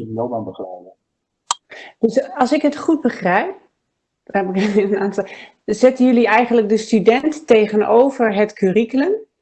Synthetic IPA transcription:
dnomanbəχrɛjvə | d̥əsɑlˠsɪkɦətχud̚bəχrɛjp̚ | ɛpɪkənaːnsa | zɛtənjʏliɛjχənlək̚dəstydɛntːejχənowvəɹɦətkʰyːriklən

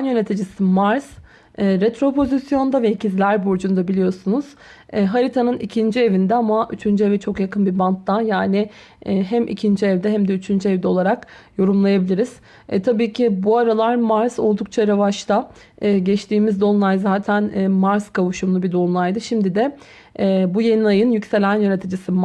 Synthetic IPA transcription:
njø̞ne̞t̪ʰid͡ʒisimaɾz | ɛːɾet̪ɾo̞pʰo̞zisjo̞nd̪avɛicizlʲæɾbuɾd͡ʒund̪abilʲijo̞sunuz̥ | ɛɦaɾit̪ʰanɯnicʰind͡ʒie̞vind̪ɛamaʔyt͡ʃʰynd͡ʒyevɛt͡ʃʰo̞kjakʰɯnbibant̪ːanjaːnɪ | ɛːɦæmʔḭcʰind͡ʒiɛvd̪ɛɦæmd̪ɛyt͡ʃʰynd͡ʒyɛvd̪ɛo̞lˠaɾak | jo̞ɾumlˠajabilʲiɾiz̥ | ɛt̪ʰabiːcʰibuaɾalˠaɾmaɾzo̞lˠd̪uk̚t͡ʃʰaɾavaʃt̪aː | ɟɛt͡ʃt̪ʰiːmizd̪o̞nlˠajzaːt̪ʰænːmaɾzkʰavuʃumlˠubid̪o̞nlˠajd̪ɯʃimd̪id̪ɛ | ɛːbuje̞niajɯnjycse̞lʲænjø̞net̪ʰid͡ʒisi

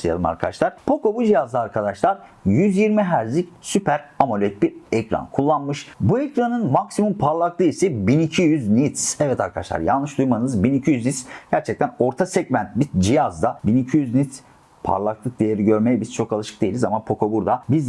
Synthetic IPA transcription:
ajalˠɯma̰ɾkʰaaʃlˠaɾ̥pʰo̞ko̞bud͡ʒijazlˠaːɾkʰad̪aʃlˠaɾ | jyzjiɾmiɦæɾzicsypʰæɾamolʲɛt̪̚biɾɛcɾa̰nkʰulˠːanmɯʃbuɛcɾanɯnmaksimumpʰaɾlˠaklˠɯisɛbinicʰijyznit̪sɛvɛt̪ʰaɾkʰad̪aʃlˠa̰ɾja̰nˠlˠɯʃd̪ujmanɯnɯzbinicʰijyznit̪sɟ̥æɾt͡ʃʰɛc̚t̪ʰæno̞ɾt̪ʰasɛɟmænt̪̚bid͡ʒijazd̪abinicʰijyznit̪s | pʰa̰ɾlˠaklˠɯk̚d̪ejeɾiɟø̞ɾmejɛbiz̥t͡ʃʰo̞kalˠɯʃɯ̥k̚d̪e̞jilʲizamapʰo̞kʰo̞buɾd̪abiz

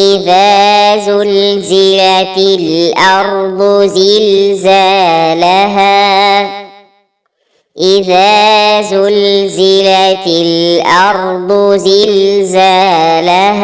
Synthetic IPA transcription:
ɪðaːzʊlzɪlalʔɑɾˤd̪ˤzɪlzaːlaɦaː | ʔɪðaːzʊlzɪlalʔɑɾˤd̪ˤzɪlzalah

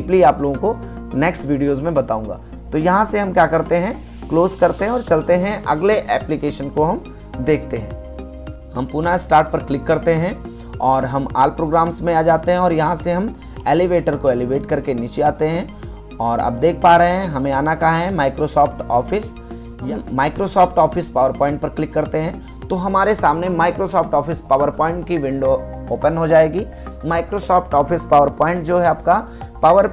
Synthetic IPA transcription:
pliaːploːɡõkonɛːksʈʋiːɖijoːzmẽbɐt̪aːũːŋɡa̰ː | t̪ojɐɦãseɦɐ̃mkjaːkɐɾt̪eɦɛ̃ | kloːzkɐɾt̪eɦɛ̃ɔːɾt͡ʃɐlt̪eɦɛ̃ʔɐɡleʔɛːplɪkeːʃənkoɦɐm | d̪eːk̚ʰt̪eɦɛ̰̃ː | hɐmpuːnaɪsʈaːɾʈ̚pɐɾklɪkːɐɾt̪eɦɛ̃ | ɔːɾɦɐmaːlpɾoːɡɾaːmsmẽaːd͡ʒaːt̪eɦɛ̃ɔːɾjɐɦãseɦɐm | eːleʋeːʈəɾkoɛːlɪʋeːʈkɐɾkenɪt͡ʃiaːt̪eɦɛ̃ | ɔːɾɐ̰b̚d̪eːk̚ʰpaːɾəɦeɦɛ̃ɦɐmẽaːnakaɦɦɛ̃maːɪkɾoːsɔːpʈɔːfʰɪs | jamaːɪkɾosɔːpʰʈɔːfʰɪspaːʋəɾpɔ̃ːɪ̃ɳʈ̚pɐɾklɪkːɐɾt̪eɦɛ̃ | t̪oɦɐmaːɾesaːmnemaːɪkɾosɔːpʰʈɔːfʰɪspaːʋəɾpɔ̃ːɪ̃ɳʈkiʋɪ̃ɳɖo | oːpənɦod͡ʒaːeːɡi | maːɪkɾosɔːpʰʈɔːfɪspaːʋəɾpɔːɪ̃ɳʈd͡ʒoːɦɛaːp̚ka | paːʋəɾ

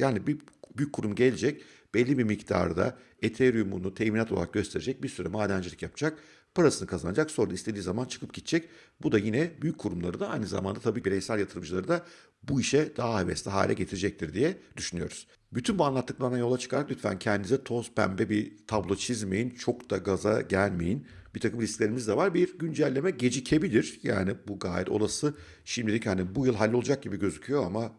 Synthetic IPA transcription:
jaːnibibyjyc̚ʲkʰːuɾumɟelʲd͡ʒɛc̚b̥ɛlʲːibimict̪ʰa̰ɾd̪a̰ | et̪ʰeɾumṵnut̪ʰɛjminat̪olˠa̰ɾak̚ɟø̞st̪ʰe̞ɾed͡ʒɛc̚biɾsyɾɛmaːd̪ænd͡ʒilʲicjapʰd͡ʒak̚ | pʰaɾasɯnɯkʰazanad͡ʒakso̞ɾd̪aist̪ʰe̞d̪iːzamant͡ʃʰɯ̥kʰɯp̚ɟit̪ʰt͡ʃʰɛc | bud̪ajinɛbyjyc̚ʲkʰːuɾumlˠaɾɯd̪aajnɯza̰mand̪at̪ʰabiːbiɾɛjsælʲjat̪ʰɯɾɯmd͡ʒɯlˠaɾɯd̪a | buiʃɛd̪̥aɦaevɛ̰st̪ɛɦa̰ːlʲɛ̰ɟe̞t̪ʰiɾed͡ʒɛc̚t̪ʰiɾd̪ijɛd̪yʃynyjo̞̰ɾuz̥ | byt̪ʰynbuanlˠat̪ːɯklˠaɾnajo̞lˠat͡ʃʰɯ̥kʰaɾaklʲyt̪fæ̰ncʰɛnd̪izɛt̪ʰo̞spʰæ̰mbɛbit̪ʰablˠo̞t͡ʃʰizmḛjint͡ʃʰo̞kd̪aɡaza̰ɟælʲme̞jinbit̪ʰakʰɯmlʲistclʲe̞ɾimizd̪ɛvaɾbiɟynd͡ʒælʲːe̞mɛɟe̞d͡ʒicʰebilʲiɾ̥ja̰ːnibuɡa̰ːjɛt̪o̞̰lˠasɯ | ʃimd̪ʲilʲichanibujɯlˠɦalʲːolˠud͡ʒak̚ɟibiɟø̞zycʰyjo̞ama

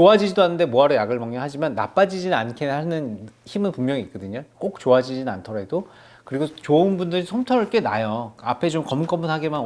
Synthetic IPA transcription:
t͡ɕoad͡ʑid͡ʑidoɦanːɯnde̞moaɾojaɡɯɭmʌŋɲʌɦad͡ʑimanːa̰p͈ad͡ʑid͡ʑinnankʰeɦanɯnçimɯnpuŋmjʌŋiːk͈ʌdɯɲok͈ok̚t͡ɕoad͡ʑid͡ʑinɯna̰ntʰʌɾɦedo | kɯɾiɡot͡ɕoɯnbundɯɾisʰomtʰʌɾɯɭk͈e̞najʌapʰe̞t͡ɕomkʌmk͈ʌmunɦaɡeman

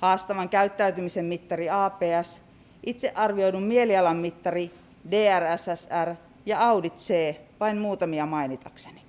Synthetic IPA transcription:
hɑːst̪ɑʋɑŋkæyt̪ːæyt̪ymisemmit̪ːɑriɑːpeːæs | ʔit̪seʔʔɑrʋioidummieliɑlɑmːit̪ːɑri | deːæræsæsær | jɑɑudit̪seːʋɑinmuːt̪ɑmiɑmɑinit̪ɑkse̥ni̥

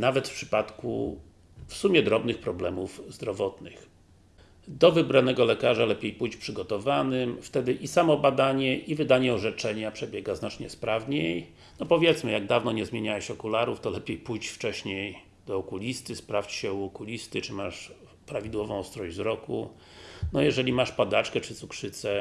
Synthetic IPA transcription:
navɛt̪fpʂɘ̥pat̪kṵ | fsumʲjɛd̪ɾɔbnɘxpɾɔblɛmuvzd̪ɾɔvɔt̪nɘx | d̪ɔvɘbɾanɛɡɔlɛkaʐalɛpʲjejpujt͡ɕpʂɘɡɔt̪ɔvanɘmft̪ɛd̪ɘʔisamɔbad̪aɲɛʔivɘd̪aɲɛɔʐɛt͡ʂɛɲapʂɛbʲjɛɡaznat͡ʂɲɛspɾavɲej | nɔpɔvʲjɛt̪smɘjaɡ̚d̪avnɔɲɛzmʲjeɲawɛɕɔkulaɾuft̪ɔlɛpʲjejpujt͡ɕft͡ʂɛɕɲej | d̪̥ɔɔkulʲist̪ɘspɾaft͡ɕɕɛuɔkulʲist̪ɘt͡ʂɘmaʂ | pɾavʲid̪wɔvɔ̃w̃st̪ɾɔʑzɾɔkṵ | nɔjɛʐɛlʲimaʂpad̪at͡ʂkɛt͡ʂɘt̪sukʂɘt̪sɛ

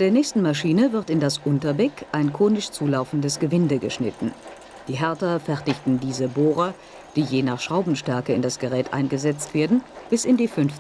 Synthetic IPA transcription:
andeːɐnɛːçstn̩maʃiːnəvɪɐtɪndasʔʊntɐbɛkʔaɪnkʰoːnɪʃt͡suːlaʊfn̩dəsɡ̥əvɪndəɡəʃnɪ̰tn̩ | d̥iːɦɛɐtɐfɛɐtɪçtn̩diːzəboːʁɐ | d̥iːjeːnaːχʃʁ̥aʊbm̩ʃtɛɐkəɪndasɡ̥əʁɛːtʔa̰ɪnɡəzɛt͡stv̥eːɐdn̩b̥ɪsɪndiːfʏnf

